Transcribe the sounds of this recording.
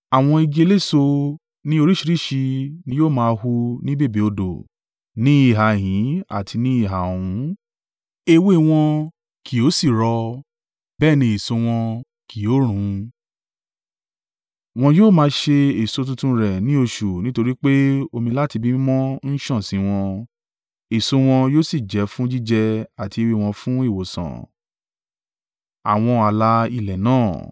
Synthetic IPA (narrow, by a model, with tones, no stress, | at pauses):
a˨w̃ɔ̃˧i˧d͡ʒe˧le˦˨so˧ | nĩ˦o˧ɾi˦ʃi˧ɾi˦˨ʃi˧nĩ˧joː˦˨mãː˦˧hu˧nĩ˦be˦˨bi˨o˧do̰˨ | nĩ˦i˦˨ɦa˨ɦĩ˨˦a̰˦˨tʰi˧nĩ˦i˦˨ɦa˨o˨ũ˨˦ | e˧we˦˨w̃ɔ̃˧ | ki˨o˨˦si˦˨ɾɔ˧ | bɛː˦˨nĩ˧i˨so˧w̃ɔ̃˧ | ki˨o˨˦ɾ̃ũ˨˦ | w̃ɔ̃˧joː˦˨mãː˧ʃe˧e˨so˧t̬ũ˧tũ˧ɾɛ˨nĩ˨˦o˧ʃu˨nĩ˦to˧ɾi˦k͡pe˦o˧mĩ˧la˦ti˧bi˦mɔ̃˦n̩˦ʃɔ̃˦˨sĩ˨˦w̃ɔ̃˧ | e˨so˧˦w̃ɔ̃˧joː˦˨si˦˨d͡ʒɛ˨˦fũ˦d͡ʒi˦d͡ʒɛ˧a˨ti˧e˧we˧˨w̃ɔ̃˧fũ˦i˦˨wo˨sã̰˨ | a̰˨w̃ɔ̃˧a˨la˧i˧˨lɛ˨nãː˦˨